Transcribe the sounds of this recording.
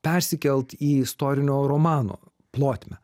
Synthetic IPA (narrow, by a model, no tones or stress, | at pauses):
pʲɛɾʲsʲɪkʲɛlʲˠt̪iːɪst̪oːɾʲɪnʲoːɾomɑːno̰ː | plˠoːt̪ʲmʲɛ